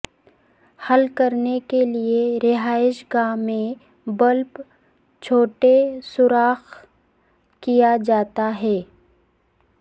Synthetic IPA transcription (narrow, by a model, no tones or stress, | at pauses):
hɐlkɐɾnekelieɾɪɦaːɪʃɡãːmẽ | bɐlp | t͡ʃʰoːʈesʊɾaːx | kijad͡ʒaːt̪aɦɛː